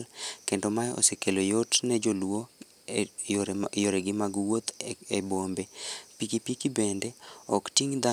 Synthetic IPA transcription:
lkendomajo̰sekelojotnɛd͡ʒolwo | joɾɛɡɪmaɡwot̪ebombepikipikibendɛɔktiŋd̪a

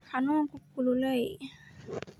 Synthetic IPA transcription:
kʰanukukːululəj

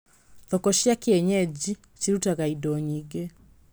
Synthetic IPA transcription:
ðɔkɔʃjakeɛɲɛd͡ʑi | t͡ʃiɾutaɣaidɔɲiɣe

